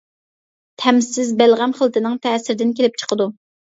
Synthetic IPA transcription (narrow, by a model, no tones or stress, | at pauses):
t̪ʰɛmsɪzbælʁæmχəlˠt̪ɪnɪŋt̪ʰɛːsɪɾd̪ɪnkʲelɪp̚t͡ʃʰə̥qʰəd̪u